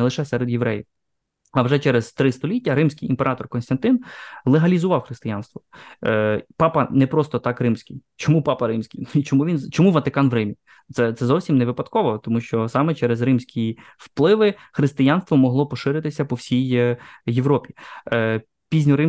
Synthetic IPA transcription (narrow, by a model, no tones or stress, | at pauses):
ɛlˠɪʃɛsɛɾed̪jeʋɾɛjɪ | ɐwʒɛt͡ʃɛɾezt̪ɾɪst̪ɔlʲitʲːɐɾɪmsʲkʲɪjimpeɾʔɑt̪ɔrkɔnst̪ɐnt̪ɪnlˠeɦɐlʲizʊʋɑwxɾɪst̪ɪjɑnst̪ʋɔ | pɑpɐnɛpɾɔst̪ɔt̪ɑkrɪmsʲkʲɪjt͡ʃɔmupɑpɐɾɪmsʲkʲijit͡ʃɔmuʋʲint͡ʃɔmuʋɐt̪ɪkɑnʋɾɪmʲi | t̪sɛt̪sɛzɔwsʲimneʋɪpɐd̪kɔʋɔt̪ɔmuʃt͡ʃɔsɑmɛt͡ʃɛɾezrɪmsʲkʲʰi | wplˠɪʋɪxɾɪst̪ɪjɑnst̪ʋɔmɔɦlˠɔpɔʃɪɾɪt̪ɪsʲɐpɔwsʲijjeʋɾɔpʲi̥ | pʲizʲnʲʊɾɪm